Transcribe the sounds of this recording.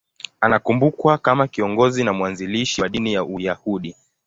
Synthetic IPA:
anakumbukwakamakiɔŋɡɔzinamwanziliʃiwaɗinijaʔujahuɗi

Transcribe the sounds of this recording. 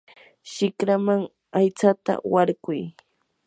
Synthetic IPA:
ʃɪkɾamaŋ | ajt͡sat̪a̰waɾɢʊj

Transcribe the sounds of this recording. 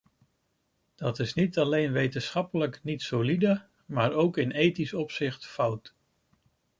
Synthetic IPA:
d̥ɑtɪsnitɑlejnʋejtənsχɑpələknitsolidə | maːɹowkɪnejtisɔpsɪχtfʌwt

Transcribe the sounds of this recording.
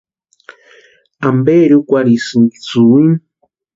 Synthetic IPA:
ambeɾjukʷaɾisɨŋki̥t͡suiŋ

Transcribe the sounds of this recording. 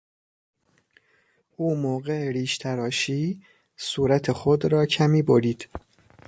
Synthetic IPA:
ʔuːmoːɣeeɾiːʃt̪ʰæɾɒːʃiː | suːɾæt̪ʰexod̪ɾɒːcʰæmiːboɾiːd̪̥

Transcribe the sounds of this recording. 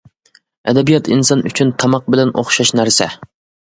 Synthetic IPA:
ɛ̰d̪ɛbijɑt̪ʰinsɑnʔy̰t͡ʃʰynt̪ʰɑmɑq̚bɪlɛno̰χʃɑʃnæɾsɛ

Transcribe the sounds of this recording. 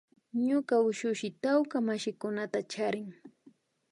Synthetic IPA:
ɲʊkaʊʃʊʃɪt̪awkamaʃɪkʊnat̪at͡ʃaɾɪŋ

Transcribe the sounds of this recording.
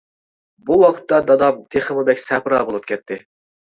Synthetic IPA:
buwɑqʰə̥t̪ːɑd̪ɑd̪ɑmt̪ʰeχɨmɨbɛkʲsɛpɾɑːbolˠup̚kʲʰɛt̪ʰːɪ

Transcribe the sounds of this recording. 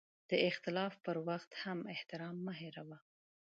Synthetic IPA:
d̪̥əɪxt̪ɪlɑfpəɾwaxt̪hamɪht̪ɪɾɑmːəɦeɾawa

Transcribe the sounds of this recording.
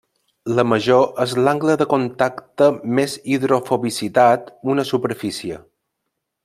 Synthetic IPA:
ləməʒoʔəzlaŋɡləðəkont̪akt̪əmeziðɾofoβisit̪at̪unəsupəɾfisiə̰

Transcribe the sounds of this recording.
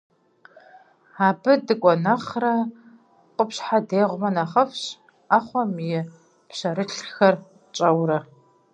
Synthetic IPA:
aːbɨdɨkʷʼɔnɐχrɐ | qʷʼʊpɕħadeːʁʷʊmɐnaχɐfɕ | aːχʷɔmjɪ | pʰɕɐɾɨɬxɐr | t͡ʃʼɐwrɐ

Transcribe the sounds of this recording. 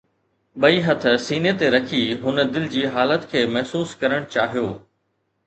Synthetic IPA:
ɓɐiɦɐt̪̆ʰsiːnet̪eɾɐkʰiɦʊnə̆d̪ɪlɪd͡ʑiːɦaːlət̪kʰeːmɐɦsuːskɐɾəɽ̃t͡ɕaːɦijoː

